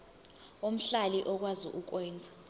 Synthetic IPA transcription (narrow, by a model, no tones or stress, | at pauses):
om̩ɬaliʔɔk̬wazḭʔuk̬wɛːnd͡zʱḁ